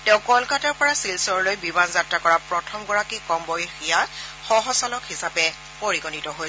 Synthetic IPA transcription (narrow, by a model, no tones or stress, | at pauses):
tɛʊ̃kɔlkataɹpɔɹasilsɔɹɔlojbibanzatɹakɔɹapɹɔtʰɔmɡɔɹakikɔmbɔjixijaxɔɦɔsalɔkhisapɛ | poɹiɡɔnitɔɦojɛ